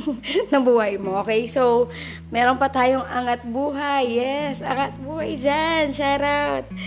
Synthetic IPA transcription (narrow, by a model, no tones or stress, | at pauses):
nɐŋbuːhɐjmoʔoːkɛjsow | mɛːɾonpɐt̪aːjoŋʔaŋat̪̚buːɦajːɛsaŋat̪̚buːhajd͡ʒanʃaɾat̪̚